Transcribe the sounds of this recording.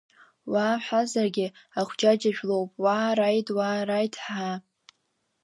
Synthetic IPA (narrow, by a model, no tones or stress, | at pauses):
waːħʷazarɡʲɪ | aχʷd͡ʒad͡ʒaʒᶣlo̞wpʼwaːɾajtʼwaːrajtʰʼħa